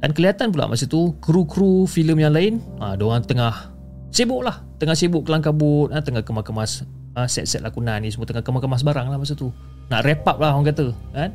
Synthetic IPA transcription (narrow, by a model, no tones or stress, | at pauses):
dankəliat̪anpula̰ʔmasət̪ukɾukɾufiləmjaŋlaɪnã̰doŋant̪əŋah | sebʊʔlah | t̪əŋahsebʊʔkəlaŋkabʊt̪̚at̪əŋahkəmahkəmas | əsɛ̰t̪sɛt̪̚la̰kunanisəmət̪əŋahkəmahkəmas̬baɾaŋlahmas̬ət̪u | na̰ʔrepap̚laɦɔŋk̬at̪əkan